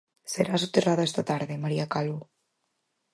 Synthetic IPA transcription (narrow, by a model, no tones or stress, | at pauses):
seɾasut̪eraðaest̪at̪aɾðemaɾiakalβu